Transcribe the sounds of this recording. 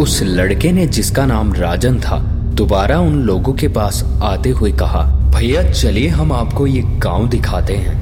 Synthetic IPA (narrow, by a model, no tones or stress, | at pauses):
ʊs | lɐɽkened͡ʒɪskanaːmɾaːd͡ʒənt̪ʰa̰ | d̪̥ʊbaːɾaʊnloːɡõkepaːs | aːt̪eɦʊekɐɦa̰ːbʱɐijat͡ʃɐlieɦɐmaːpkojeɡãːʊ̃d̪ɪkʰaːt̪eɦɛ̰̃ː